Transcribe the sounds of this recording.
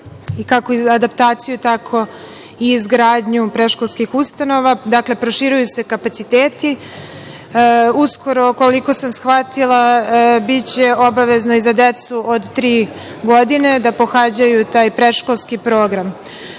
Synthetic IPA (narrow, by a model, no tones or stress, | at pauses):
ikakoiad̪apt̪aːt̪sijut̪akʰo̞ | iːzɡɾaːd̪ɲupɾeʃko̞lˠskixust̪ano̞ʋad̪akle̞pɾo̞ʃiɾujuse̞kapat̪sit̪eːt̪i | usko̞ɾo̞ko̞liko̞samsxʋat̪ilˠabit͡ɕe̞o̞baʋe̞zno̞izad̪et̪suʔod̪t̪ɾiː | ɡo̞d̪ine̞d̪apo̞xad͡ʑajut̪aːjpɾeʃko̞lˠskipɾoːɡɾam